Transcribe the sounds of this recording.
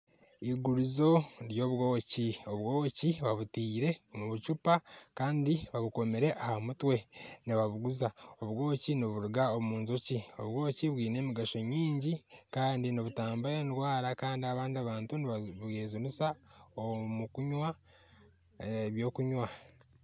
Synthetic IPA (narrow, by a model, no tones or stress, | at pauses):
iɡuɾizo̞ɾjo̞βwo̞ːcio̞βwo̞ːciβaβutiːɾe̞omuβucupakaːndiβaβuko̞meɾe̞ʔahamutwe̞niβaβuɡuzao̞βɡo̞ːciniβuɾuɡaomuːnzocio̞βwo̞ːciβwiːne̞ːmiɡaʃo̞ɲiːɲɟikaːndinoβutaːmbajenɾwaːɾakaːndiaβaːndiaβaːntuniβaβeːzunusaomukuɲwa | βjo̞ːkuɲwa